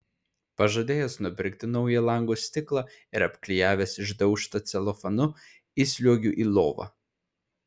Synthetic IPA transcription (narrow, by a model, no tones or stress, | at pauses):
pɐʒɐd̪ʲeːjɛsnʊpʲɪɾʲkt̪ʲɪnɔʊjɛlˠɐŋɡosʲt̪ʲɪklˠɑɪɾɐpʲklʲɪjæːʋʲeːsɪʒd̪ɐʊʃt̪ɐt̪sʲɛlˠɔfɐnʊ | isʲlʲuɔɡʲuʔiːlˠoːʋɐ̰